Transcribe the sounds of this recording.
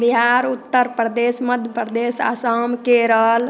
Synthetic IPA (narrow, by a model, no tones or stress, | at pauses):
biɦaɾut̪ːəɾpɾəd̪esməd̪ʱjəpɾəd̪esa̰səmkeɾəl